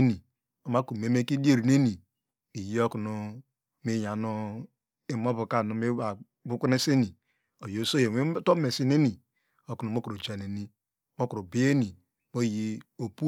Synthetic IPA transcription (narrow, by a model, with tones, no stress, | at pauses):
ni˨ | o˨ma˦ku˨m˨e˨˦me˦ki˦de˦˨ɾi˨ne˦ni˨ | i˨ji˦o˦ku˨nu˨ | mi˦ja˨nu˦ | i˦m˦o˦bu˨ka˦˨nu˨me˦a˨ | bu˦kʷu˦ne˦se˦ni˨ | o˨jo˨˦so˦je˨we˦to˦me˨si˦ne˦ni˨ | o˨ku˨nu˨˦m˦o˦ku˨ɾo˨d͡ʒa˨ne˨ni˦ | mo˦ku˨ɾo˨bi˦e˦ni˨ | mo˦ji˦o˨pu˦